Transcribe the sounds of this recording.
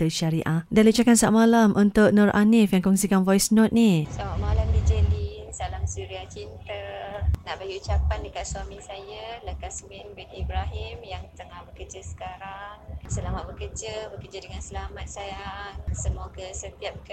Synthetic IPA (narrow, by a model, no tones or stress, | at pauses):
t̪əʃaɾiʔadalit͡ʃakansa̰ʔmalamʔunt̪ʊʔ̚nɔrʔa̰nifjaŋkɔŋsikanvɔjsnɔt̪̚nisamaʔmalamdid͡ʒəlinsalamsuɾiat͡ʃint̪ənaʔbaɡiut͡ʃapandəkat̪̚swamisajaləkasminbɛnibɾaɦimjaŋt̪əŋahbəkəd͡ʒəsə̥kaɾaŋsəlamat̪̚bəkərd͡ʒəbəkəd͡ʒədəŋansəlamat̪̚sajaŋsəmakəsət̪iap̚kə